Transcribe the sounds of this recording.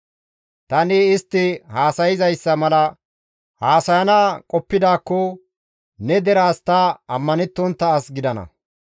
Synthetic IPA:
t̪ɐnɪɪst̪ːɪhaːsɐjɪzɐjsːɐmɐlɐ | haːsɐjɐnaːkʼɔpːɪd̪aːkːɔ | nɛd̪ɛɾaːst̪ɐɐmːɐnɛt̪ːɔnt̪ːɐːsɡɪd̪ɐnɐ̰

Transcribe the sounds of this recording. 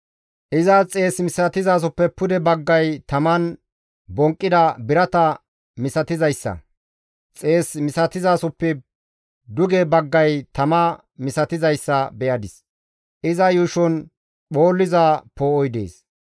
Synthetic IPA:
ʔɪzɐt͡sʼe̞ːsmɪsɐt̪ɪzaːs̬ɔpːɛpʊd̪ɛbɐɡːɐjt̪ɐmɐn | bɔŋkʼːɪd̪ɐbɪɾɐt̪ɐ | mɪsɐt̪ɪzɐjsːɐ̰ | t͡sʼe̞ːsmɪsɐt̪ɪzaːsɔpːɛ | d̪ʊɡɛbɐɡːɐjt̪ɐmɐ | mɪsɐt̪ɪzɐjsːɐbɛjɐd̪ɪs | ʔɪzɐjuʃɔn | ɓo̞ːlːɪzapoːɔjd̪ḛːs

